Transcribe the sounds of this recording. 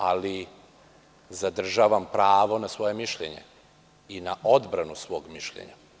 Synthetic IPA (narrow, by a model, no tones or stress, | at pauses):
ali | zad̪r̩ʒaʋampɾaːʋo̞nasʋo̞je̞miʃʎḛɲḛ | inaʔo̞d̪bɾanusʋo̞ːɡmiʃʎḛɲa̰